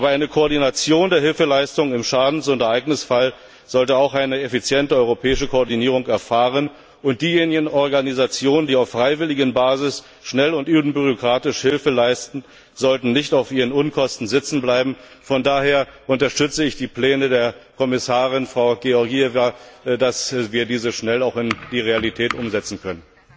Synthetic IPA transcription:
ʔaːbɐaɪnəkʰoːɐdinat͡sjoːndeːɐɦɪlfəlaɪstʊŋənɪmʃaːdn̩sʊntɛɐʔaɪɡnɪsfal | z̥ɔltəaʊxʔaɪnəefit͡sjɛntəɔʏʁopʰɛːɪʃəkʰoɔɐdiniːʁ̞ʊŋkɛɐfaːʁən | ʔʊnt̚d̥iːjeːnɪɡən̩ʔɔɐɡanizat͡sjoːnəndiːaʊfʁ̥aɪvɪlɪɡənbaːzɪs | ʃnɛlʊntʔyːbn̩byʁ̞okʁ̥aːtɪʃhɪlfəlaɪstn̩ | z̥ɔltn̩nɪçtaʊfʔiːʁənʊnkʰɔstn̩zɪt͡sn̩blaɪbm̩ | fɔndaːheːɐʔʊntɐʃtʏt͡səɪçd̥iːplɛːnədeːɐkʰɔmɪsaːʁɪnfʁ̥aʊɡ̥eɔɐɡiɛvadasviːɐdiːzəʃnɛlaʊxɪnd̥iːʁealitʰɛːtʔʊmzɛt͡sn̩kʰœnən

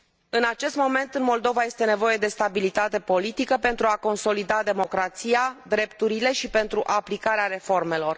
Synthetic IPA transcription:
ɨnat͡ʃe̞st̪mo̞me̞nt̪ɨnmo̞ld̪o̞vaje̞st̪e̞ne̞vo̞je̞d̪e̞st̪abilit̪at̪e̞po̞lit̪ikəpe̞nt̪ɾuako̞nso̞lid̪ad̪e̞mo̞kɾat̪siad̪ɾe̞pt̪uɾile̞ʃipe̞nt̪ɾuʔaplikaɾeaɾe̞fo̞rme̞lo̞r

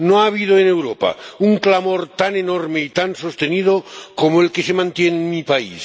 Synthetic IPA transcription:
noaːβið̞oene̞wɾopa̰uŋklamoɾt̪anenoɾmeit̪anso̞st̪enið̞okomoelkesemãnt̪jenemipaḭs

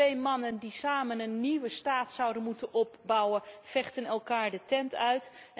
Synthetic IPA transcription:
ejmɑnəndisaːmənənːiʋəstaːtsʌwdənmutənɔp̚bɑwənfɛχtənɛlˠkaːɹdətɛntœɥt

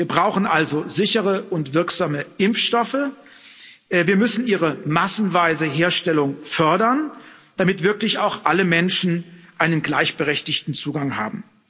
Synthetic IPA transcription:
viːɐbʁaʊxn̩ʔalzozɪçəʁəʔʊntv̥ɪɐkz̥aːməʔɪmfʃtɔfə | ʔviːɐmʏsn̩iːʁəmasn̩vaɪzəɦeːɐʃtɛlʊŋfœɐdɐnd̥amɪtv̥ɪɐklɪçaʊxʔaləmɛnʃn̩ʔaɪnənɡlaɪçb̥əʁɛçtɪçtn̩t͡suːɡaŋha̰ːbm̩

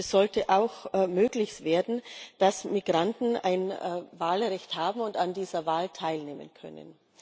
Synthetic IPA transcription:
ɛsz̥ɔltəʔaʊxmøːɡlɪçsv̥eːɐdn̩d̥asmiɡʁantn̩a̰ɪnvaːlʁɛçthaːbm̩ʊntandiːzɐvaːltʰaɪlneːmə̰nkʰœ̰nə̰n

